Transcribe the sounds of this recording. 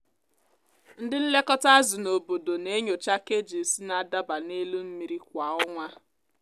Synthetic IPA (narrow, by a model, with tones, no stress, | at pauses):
n̩˦dɪ˦n̩˦le˦kɔ˦ta˦a˦zʊ˨no˨bo˨do˨ne˦ɲo˨t͡ʃa˦ke˦d͡ʒi˨si˦na˨˦˨da˦ba˨ne˦lu˦m̩˦mi˨ɾi˦k̚ʷa˨ɔ˦ŋʷa˦